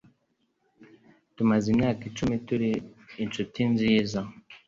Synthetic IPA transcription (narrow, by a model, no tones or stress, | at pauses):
tumazinakit͡ʃumetuɾiint͡ʃutinzijeza